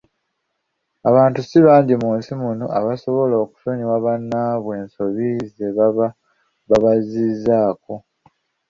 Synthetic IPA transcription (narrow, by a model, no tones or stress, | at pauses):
aβaːntusiβaːɲɟimuːnsimuno̰ʔaβaso̞βo̞lo̞ːku̥soɲiwaβanːaβwe̞ːnso̞βizeβa | βaβazizaːko̞